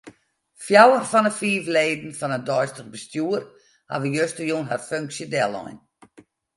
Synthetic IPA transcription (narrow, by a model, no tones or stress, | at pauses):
fjawərfɔnəfiːvleːdn̩fɔnədɔjstəχbəstjuər | ha̰ʋəjøstəjunɦarføŋksjədɛlˠɔ̰jn